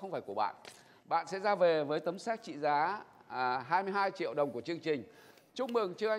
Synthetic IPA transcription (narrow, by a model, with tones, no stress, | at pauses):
ə˧ŋ͡mfaː˧˩jku˧˩əɓa̰ː˧˨nʔ | ɓa̰ː˧˨nsɛ̰˧˥zaː˧ve˨˩vəː˨˦jt̪ə˨˦msɛ˦˥k̚t͡ɕḭ˧˨zaː˨˦˨ | ɦaː˧jmɨ˧əjɦaː˧jt͡ɕḭ˧˨əwɗə˨˩wŋ͡mku˧˩ət͡ɕɨ˧əŋt͡ɕï˨˩ŋ̟ | t͡ɕʊ˧˥˧ŋ͡mmɨ˨˩əŋt͡ɕɨ˧ʔa˧